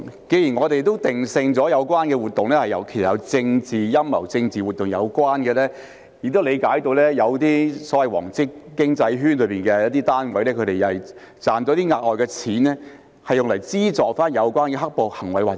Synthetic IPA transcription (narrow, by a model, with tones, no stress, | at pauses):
ke˨˧jiː˨˩nŋɔː˨˧t̪e˨jt̪o˥wt̪ɪ˨ŋsɪ˧ŋt͡sɔː˨˥jɐ˨˧wkwaː˥nkɛː˧wuː˨˩t̪̚ːʊ˨ŋlɛː˥hɐ˨jɐ̰˨˩wkʰe˨˩sɐ˨˩jɐ˨˧wt͡sɪ˧ŋt͡siː˨jɐ˥mːɐ˨˩wt͡sɪ˧ŋt͡siː˨˩wuː˨t̪̚ːʊ˨ŋjɐ̰˨˧wkʷwaː˥nkɛː˧lɛː˥ | ji˨k̚t̪o˥wle˨˧jkaː˨˥jt̪o˧wlɛː˥jɐ˨˧wt̪iː˥sɔː˨˥wɐ˨jwɔ̰ː˨˩ŋt͡sɪ˥kːɪ˥ŋt͡sɐ˧jɦyː˥nlɵ˨˧˥ɥpiː˨nkɛː˧jɐ˥t̚t̪iː˥t̪aː˥nwɐ˨˥jlɛː˥kʰɵ˨˧ɾe˨jɐ˨j | t͡saː˨nt̪o˧˦˥t̪iː˥ŋaː˧k̚lɔː˨jkɛ˧t͡sʰiː˨˥nlɛː˥ | hɐ˨jːʊ˨ŋlɐ˨˩jt͡siː˥t͡sɔː˨k̚faː˥njɐ˨˧wkʷwaː˥nkɛ˧ɦɐ˥k̚po˨whɐ˨˩ŋwɐ˨˧jwaː˨k̚